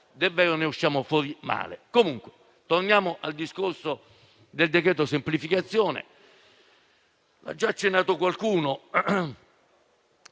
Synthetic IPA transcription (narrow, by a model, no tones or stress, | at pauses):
d̪ɛvːɛːɾoneuʃːaːmofwɔːɾima̰ːlḛkomuŋkwe | t̪ornjaːmoʔald̪iskorso | d̪eld̪ekɾɛːt̪osemplifikat̪sːjɔːnḛ | la̰d͡ʒːaːt͡ʃːenːaːt̪okwalkuːno